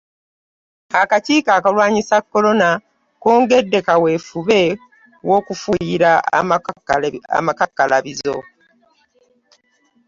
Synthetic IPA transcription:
akaciːkaːkalwaːɲisakːo̞lo̞na | koːŋɡe̞dːe̞kawe̞ːfuβe̞ | wo̞kufujiɾa | a̰makakːalʔaβizo̞̰

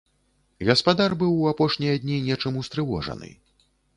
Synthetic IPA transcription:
ɣɐspad̪arbɨwːapɔʂnʲijɐd̪ʲnʲinʲɛt͡ʂɐmust̪ɾɨvɔ̰ʐɐ̰nɨ̰

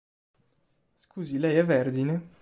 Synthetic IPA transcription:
skuːzilɛjɛvɛrd̪ine

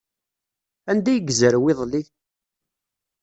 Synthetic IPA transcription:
ænd̪æjəɡzəɾwɪðˤliθ

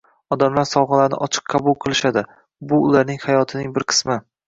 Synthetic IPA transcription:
ɒd̪amlaɾsɒwʁɨlaɾnɪ̰ʔɒt͡ʃʰɨ̥qːʰɑbʊlˠqʰɨlˠɪʃad̪ɪ | bʊːlaɾnɪŋhajɒt̪ʰɪnɪŋbɪɾqʰɨ̥smɪ

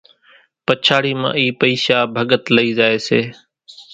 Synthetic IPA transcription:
pət͡ʃʰaːɽiːmã̰ːiːpəiːʃaːbʱəɠət̪ləiːzaːeːseː

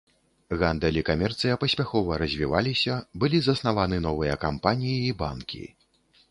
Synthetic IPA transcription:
ɣand̪ɛlʲikamʲɛrt̪sɨjɐpɐsʲpʲaxɔvɐɾɐzʲvʲivalʲisʲɐbɨlʲizɐsnavanɨn̪ɔvɨjɐkampanʲijiːba̰nkʲḭ

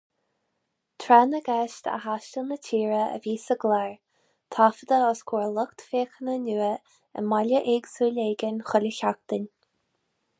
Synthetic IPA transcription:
t̪ʰɾɛnəɡɛʃt̪ə̰haʃtəlnətʰiːɹəə̰viːsəɡlɛɹ | t̪ʰafəd̪əɔskʰuːɹlʊkt̪feːxənənʲuːə | ə̰maləʔɪɡsuːlʲeːɡənxʊləçak̚t̪ənʲ

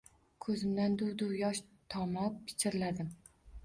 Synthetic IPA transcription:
kʰɵzɪmd̪and̪ʊwd̪ʊwjɒʃt̪ʰɒmap̚kʲʰɪ̥t͡ʃʰɪɾɪlad̪ɪm

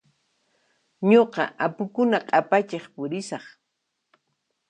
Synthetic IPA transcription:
ɲoqɑ̰apʊkʊnaqʼapat͡ʃeχpʊɾɪsɑχ

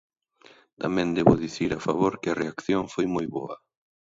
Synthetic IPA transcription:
t̪amɛ̃nd̪eβʊðiθiɾafaβoɾkɪareakθjoŋfojmojβo̰ɐ

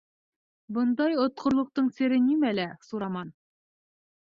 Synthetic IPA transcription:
bɤ̆nd̪ɑjŏt̪̚qʰŏɾlˠɤ̆q̚t̪ɤɴsɘ̆ɾɘnimælæsuɾɑmɑn

